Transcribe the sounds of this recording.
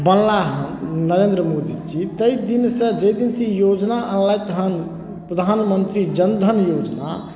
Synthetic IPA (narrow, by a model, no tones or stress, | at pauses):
bənlaɦnəɾeːnd̪ɾəmod̪id͡ʒit̪əid̪insə̃d͡ʒəd̪insĩjod͡ʒnaʔənlajt̪əɦən | pɾəd̪ʱaːnmənt̪ɾid͡ʒənd̪ʱənjoːd͡ʒna̰